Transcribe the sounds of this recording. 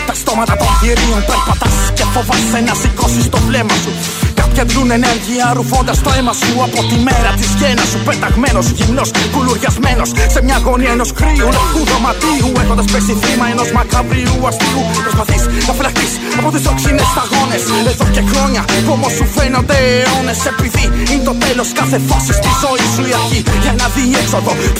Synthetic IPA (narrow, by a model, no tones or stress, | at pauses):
t̪ɐst̪o̞mɐt̪ɐt̪o̞nʝiɾionpeɾpɐt̪ɐsscefovɐssenɐsiko̞sist̪o̞vle̞mɐsu | kɐpçɐðlune̞neɾʝiɐɾufo̞nd̪ɐst̪oemɐsuɐpo̞t̪ime̞ɾɐt̪isʝenɐsupet̪ɐɣmeno̞sʝimno̞skuluɾʝɐzme̞no̞sse̞mɲɐɣo̞niɐeno̞skɾiulexuðɾo̞mɐt̪iuexond̪ɐspesiθimɐenozmɐkɐvɾiuɐst̪iupɾspɐθisnɐfilɐxt̪is | ɐpot̪isoksinest̪ɐɣo̞ne̞seðoce̞xɾoɲɐpomosufenond̪eonesepiðiint̪o̞t̪elo̞skaθefosist̪izo̞isuiɐɾciʝɐnɐðiːeksoðo̞